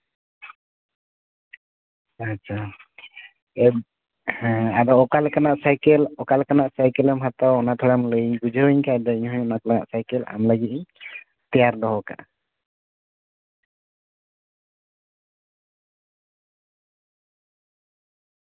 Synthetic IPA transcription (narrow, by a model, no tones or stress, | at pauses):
at͡ʃʰa | ɛ | ad̪ɔɔkalkanaʔsajkɛlɔkalkanaʔsajkɛləmɦat̪awɔnat̪ʰɔɡamləjiɲɡud͡ʒʱəiɲkajd̪ɔiɲɦuɲɔnaklaŋa̰ʔsajkɛla̰mləɡit̪̚iɲ | t̪ɛjaɾd̪ɔɦɔka̰ʔ